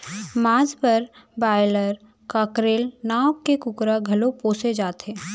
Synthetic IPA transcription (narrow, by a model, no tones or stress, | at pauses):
maːd͡ʒbəɾbaːɪləɾ | kaːkɾeːlnaːwkekʊkɾaɡʱɐlopoːsed͡ʒaːt̪ɦeː